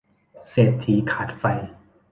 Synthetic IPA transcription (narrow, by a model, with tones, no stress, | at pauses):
seː˨˩t̪ʰːi˨˦kʰa˨˩t̪̚fa˧˩j